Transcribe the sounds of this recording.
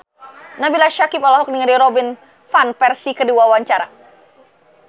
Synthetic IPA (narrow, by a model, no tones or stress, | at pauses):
nabilaʃakɪpalaɦɔk̚diŋəɾdiɾobɪn | fanpɛrsikəduawaɲt͡ʃaɾa